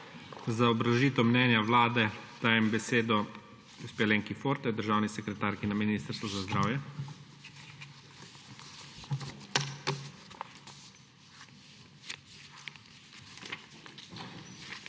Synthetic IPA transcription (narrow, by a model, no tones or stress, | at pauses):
zaɔbɾaʒiːt̪ɛmnɛːnjawlaːd̪ɛd̪̥aːjɛmbɛseːd̪ɔ | uspɛleːŋkifoːɾt̪ɛd̪əɾʒaːwnisɛkɾɛt̪aːɾkinaminiːst̪əɾst̪ʋɔzazd̪ɾaːwjɛ